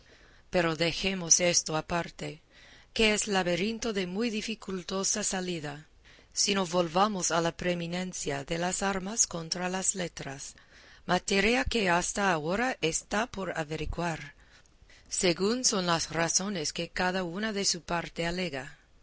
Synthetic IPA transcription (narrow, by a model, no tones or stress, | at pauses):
pe̞ɾoðe̞xe̞mose̞st̪oapaɾt̪e | keeslaβeɾint̪o̞ðe̞mujðifikult̪o̞sasaliða | sinoβo̞lβamosalapɾemine̞nθjaðelasaɾmasko̞nt̪ɾalasle̞t̪ɾasmat̪eɾjake̞ast̪aːoɾaʔest̪apo̞ɾaβeɾiɣwaɾ | seɣunso̞nlasraso̞neske̞kaðaunaðe̞supaɾt̪e̞ale̞ɣa